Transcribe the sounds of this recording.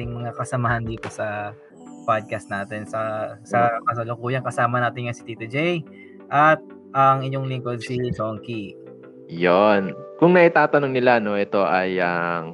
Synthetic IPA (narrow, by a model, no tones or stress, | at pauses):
ɪŋmɐkɐsɐmaːhɐnd̪iːp̪osɐ | pad̪̚kɐst̪naːt̪ɛnsɐsɐkɐsɐlʊkuːjɐŋkɐsaːmɐnaːt̪ɪnŋɐsɪ̥t̪iːt̪ud͡ʒej | ʔɐt̪̚ | ʔɐŋɪɲːoŋliŋkod̪̚sisoŋki | jonkʊŋnɐʔɪt̪aːt̪ɐnoŋnɪlano̞ʔɛt̪o̞ʔɐjɐŋ